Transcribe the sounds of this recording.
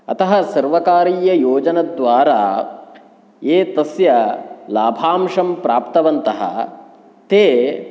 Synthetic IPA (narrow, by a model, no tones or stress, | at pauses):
ɐ̰t̪ɐɦɐsɐɾʋɐkaːɾiːjɐjoːd͡ʒɐnɐd̪ʋaːɾaː | eːt̪ɐsjɐlaːbʱaːmʂɐmpɾaːpt̪ɐʋɐnt̪ɐɦɐ̰ | t̪eː